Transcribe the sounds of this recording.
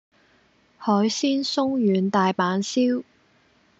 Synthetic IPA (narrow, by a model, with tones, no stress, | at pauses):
hɔː˨˥jsiː˥nsʊ˥ŋjyː˨˧nt̪aː˨jpaː˨˥nsiː˥w